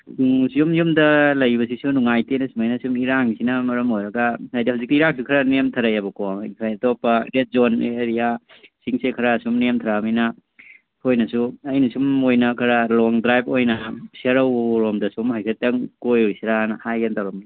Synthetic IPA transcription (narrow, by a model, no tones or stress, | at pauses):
sijumjumdɐlɐjbɐs̬isunuŋajtenɐsumajnɐsumiɾaŋsinɐmɐɾɐmojɾɐɡɐnajdihaziktiiɾaŋsikʰɐɾɐnemtʰɐɾɐjabɐkomipʰajɐtɔpːɐdet̚zonḛɾia | siŋsekʰɐɾasumnemtʰɐɾamijnɐ | hojnɐsuɐjnɐsumojnɐkʰɐɾalɔŋdɾajp̚ojnɐseɾɐwɾomdɐsumhajsʰetɐŋkojujsiɾanhajɡantaɾomi